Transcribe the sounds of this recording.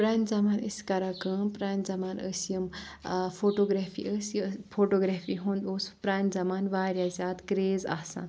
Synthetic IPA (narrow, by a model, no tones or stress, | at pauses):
pɾaːnzɐmaːnə̰sʲkɐɾakɐmpɾaːnzɐmaːnə̰sjəmfʰoʈoɡɾafʰḭəspʰoʈoɡɾapʰiɦũnd̪oːspɾaːnzɐmaːnʋaːɾʲjazʲaːt̪kɾeːza̰ːsã̰n